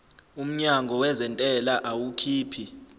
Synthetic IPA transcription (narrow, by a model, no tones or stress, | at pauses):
um̩ɲaŋɡʱɔwɛzɛntʼɛlaʔawukʰiːpʰi